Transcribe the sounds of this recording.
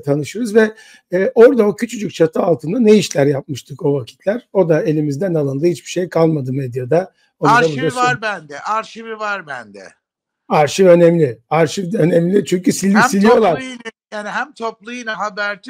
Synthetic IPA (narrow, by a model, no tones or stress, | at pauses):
t̪ʰanɯʃɯɾɯzvɛː | ʔo̞ɾd̪ao̞cʰyt͡ʃʰyd͡ʒyc̚t͡ʃʰat̪ʰɯalˠt̪ʰɯnd̪anejiʃlʲæɾjap̚mɯʃt̪ʰɯko̞vacʰi̥t̪ʰlʲæɾ̥o̞d̪ae̞lʲimizd̪ænalˠɯnd̪ˠɯhit͡ʃbiʃe̞jkʰalˠmad̪ɯmed̪jad̪a | onɾabuɾasaɾbænd̪ɛʔaɾʃivivaɾbænd̪ɛ̰ | aɾʃivø̞nɛmlʲɪaɾʃivd̪ø̞nɛmlʲit͡ʃʰyɲcysilʲːisilʲijo̞lˠaɾjaːniɦæmt̪ʰoplˠɯjɯnaɦabæɾt̪ʰi